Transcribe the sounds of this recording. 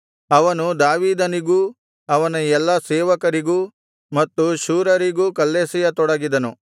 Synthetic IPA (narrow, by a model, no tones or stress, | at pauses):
ɐʋɐnud̪aːʋiːd̪ɐniɡuː | ɐʋɐnɐɛlːɐseːʋɐkɐɾiɡuː | mɐt̪ːuʃuːɾɐɾiɡuːkɐlːeːsijɐt̪ɔɽɐɡid̪ɐnu